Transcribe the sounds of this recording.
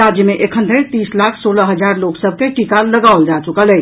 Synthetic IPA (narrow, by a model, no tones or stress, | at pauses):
ad͡ʒjəmeʔekʰənd̪ʱeɾt̪islakʰsoləɦəd͡ʒaɾloksəb̚ʱkeʈikaləɡaold͡ʒat͡ʃukələ